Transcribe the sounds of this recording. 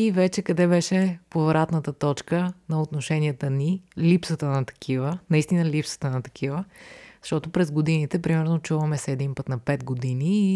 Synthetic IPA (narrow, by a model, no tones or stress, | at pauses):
ivɛt͡ʃɛkɐd̪ɛbɛʃɛpovɾat̪nət̪ət̪ɔt͡ʃkənɐot̪noʃɛniət̪ənilipsət̪ənɐt̪ɐ̥kʰivənɐist̪inəlipsə̥t̪ənɐt̪ɐ̥kʰivəzɐ̥ʃt̪ɔt̪opɾɛzɡod̪init̪ɛpɾimɛɾnot͡ʃuvɐmɛsɛːd̪impət̪nɐpɛd̪ɡod̪iniː